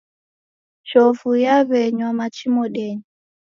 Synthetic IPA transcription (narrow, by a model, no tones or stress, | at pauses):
ʃɔvujaβɛɲwamat͡ʃimɔɗɛɲɔ